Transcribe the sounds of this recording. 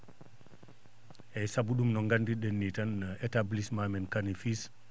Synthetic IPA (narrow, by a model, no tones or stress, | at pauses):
ʔɛsabuɗumnɔŋɡandiɗenːitanɛtablismamɛnkanifis